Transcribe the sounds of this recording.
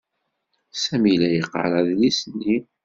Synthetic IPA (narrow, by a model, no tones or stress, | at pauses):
sæmilæjəqːə̰ɾaðlisnːi